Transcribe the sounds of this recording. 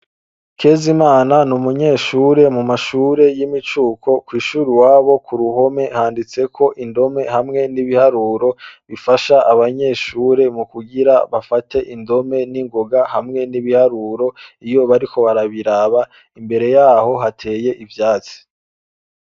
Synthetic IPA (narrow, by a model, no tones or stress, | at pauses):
kʰe̞zimaːnanumuɲe̞ːʃuːɾe̞mumaʃuːɾe̞jimit͡ʃuːkʰo̞kwiːʃuːɾiwaːβo̞kuɾuɦo̞me̞haːndit͡se̞kʰo̞ʔindo̞me̞hamŋe̞niβihaɾuːɾo̞βifaʃaʔaβaɲe̞ːʃuːɾe̞mukuɡiɾaβafate̞ʔindo̞me̞niŋɡo̞ɡahamŋe̞niβihaɾuɾo̞ijo̞βaɾiko̞βaɾaβiɾaβa | imbe̞ɾe̞jaːho̞ɦatʰe̞ːje̞ʔivjaːt͡si̥